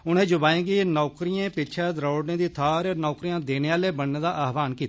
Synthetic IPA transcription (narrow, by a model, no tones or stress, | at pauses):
ʊnẽːd͡ʒʊbaːẽːɡiːnɔːkɾijãːpɪt͡ʃʰɛːd̪ɾoːɖnẽːd̪iːt̪ʰaːɾeːnɔːkɾijãːd̪eːneːaːleːbəɳneːd̪aːʔaːɦʋaːnkiːt̪ː